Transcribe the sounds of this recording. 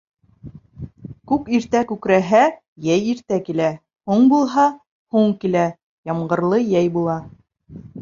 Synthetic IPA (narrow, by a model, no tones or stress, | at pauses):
kʉkiɾt̪ækʉkɾæɦæ | jæjiɾt̪ækilæ | huɴbulˠɦɑ | huɴkilæ | jɑmɢɤ̆ɾlˠɤjæjbulˠɑ